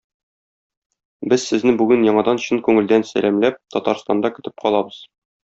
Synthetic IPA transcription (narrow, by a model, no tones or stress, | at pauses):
bɘzsɘ̆znɘbʉɡɘnjɒɴɑd̪ɑnɕɤnkʉŋɘ̆ld̪ænsæ̰læmlæp̚t̪ɒt̪ɑɾst̪ɑnd̪ɑkɵ̆t̪ɘp̚qɒlˠɑbɤz̥